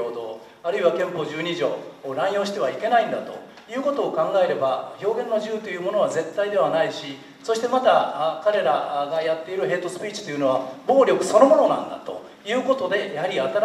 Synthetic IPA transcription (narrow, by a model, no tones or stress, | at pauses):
oːd̪o̞ː | aɾɯ̟iβakẽ̞mpo̞ʑɨːɲ̟iʑo̞ːɾãɰ̃jo̞ːɕi̥t̪e̞β̞aike̞naĩnd̪at̪o̞̰ | jɯ̟ːko̞t̪o̞ːkãŋɡaeɾe̞baçʲo̞ːɡẽ̞nːoʑɨːt̪o̞jɯ̟ːmo̞no̞β̞aze̞t̪ːaid̪e̞βanaiɕi | so̞ɕi̥t̪e̞mat̪akaɾe̞ɾaɡajat̪ːe̞iɾɯ̟ɦe̞ːt̪o̞sɨ̥pʲiːt͡ɕi̥t̪o̞jɯ̟no̞βabo̞ːɾʲjo̞kɯ̟̥so̞no̞mo̞no̞nã̰nd̪a̰t̪o̞̰ | jɯ̟ːko̞t̪o̞d̪e̞jahaɾʲiat̪aɾ